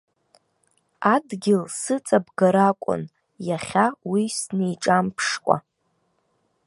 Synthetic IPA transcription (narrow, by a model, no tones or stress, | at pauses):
adɡʲɪlsɨt͡sʼabɡaɾakʷʼʊ̰n | jaχʲawisnejʈ͡ʂʼampʰʂkʷʼa̰